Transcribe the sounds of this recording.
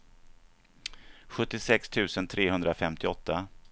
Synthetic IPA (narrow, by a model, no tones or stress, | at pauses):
ɧɵt̪ːɪsɛkst̪ʰʉ̟ːsənt̪ʰɾeːɦɵnd̪ɾafɛmt̪ɪɔt̪ːa